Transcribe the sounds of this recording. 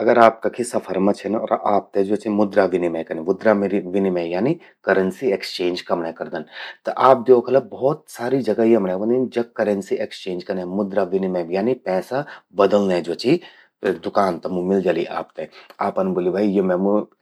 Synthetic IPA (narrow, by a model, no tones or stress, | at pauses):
ɐɡəɾaːp̚kakʰisɐpʰɐɾmãt͡ʃʰenɔ̰ːɾʔaːp̚t̪ed͡ʒoːt͡ʃimʊd̪ɾaʋɪnimẽkɐnẽmʊd̪ɾamɾiʋɪnimẽjaːni | kɐɾənsiekst͡ʃẽːnd͡ʒkɐmnakɐɾd̪ənt̪ɐʔaːp̚d̪joːkʰɐlɐbɔːt̪̚saːɾid͡ʒɐɡaɦiɐmnãbə̃nd̪ind͡ʒɐkːɐɾənsiʔekst͡ʃẽːnd͡ʒkɐɾnɛ̃mʊd̪ɾaʋɪnimẽjaːnipɛːsabɐd̪əlnɛd͡ʒoːt͡ʃi | d̪ʊkaːnt̪ɐmũmɪld͡ʒaːliʔa̰ːp̚t̪eaːpɐnboːlibʱaːijemɛ̃mu